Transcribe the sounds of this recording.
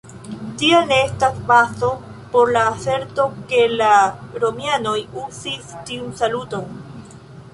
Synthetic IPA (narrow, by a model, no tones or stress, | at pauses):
tianeestaspaso̞ | po̞ɾlaːse̞ɾto̞ke̞laɾomjano̞jusistiunsaluto̞n